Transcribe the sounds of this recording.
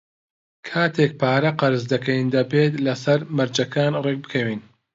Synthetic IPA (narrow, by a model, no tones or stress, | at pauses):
kʰaːt̪ʰek̚pʰaːɾɐqɐɾɨzd̪ɐkʰɐjind̪ɐbeːt̪lɐsɐɾmɐɾd͡ʒɐkʰaːnrek̚bɨkʰɐwiːn